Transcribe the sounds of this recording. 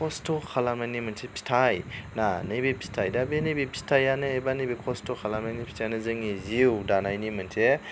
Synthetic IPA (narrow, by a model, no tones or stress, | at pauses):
ɔstʰokʰalamanimansʰepʰi̥tʰajnanɯjbepʰi̥stʰajdabenejbepʰi̥stʰajanɯːjbanebekʰɔstokʰalamajnipʰi̥tʰajanɯzɯŋiziwdanajnimɐnsʰe